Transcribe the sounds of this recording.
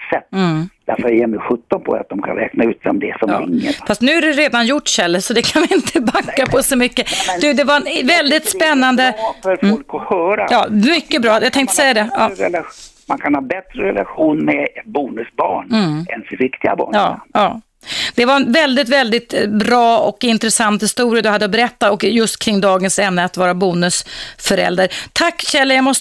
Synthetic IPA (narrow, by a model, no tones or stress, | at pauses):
sɛt̪ːd̪̥æɾfəɾjeːɾmɛɧɵt̪ːɔnpʰɔ̰a̰t̪̚d̪ɔmkʰa̰nɾɛ̰ːknaʉ̟ːt̪sɔ̰md̪ɛsɔɾɪŋːə̰fast̪nʉ̟ːæɾɛɾeːd̪anjʊʈːʂɛlːəɾʂɔd̪ɛkʰanvɪɪnt̪ʰəbakːapʰɔsɔmʏkːəd̪ʉd̪ɛvaɾɛnvɛld̪ɪt̪spɛnːand̪əɛɾfɔlkɔhœːɾa̰jɑːmʏkːəbɾɑːjat̪ʰɛŋkt̪ə̥sɛjːad̪ɛɑɾɛla | mankʰanhɑːbɛt̪ɾəɾɛlaɧuːnmɛɛt̪buːnɵsbɑ̰ːɳɛ̰nsɪvɪkt̪ɪɡa̰bɑ̰ːɳːɑː | d̪̥ɛvaɾɛnvɛld̪ɪt̪vɛld̪ɪt̪bɾɑːɔkɪnt̪ɾɛsant̪hɪst̪uːɾɪad̪ɵhad̪ːəɔbɛɾɛt̪ːaɔkjɵst̪kʰɾɪŋːd̪ɑːɡənsɛmnəat̪vɑːɾabuːnɵsfœɾɛ̰ld̪əɾt̪ʰakːɕɛlːəjamɔs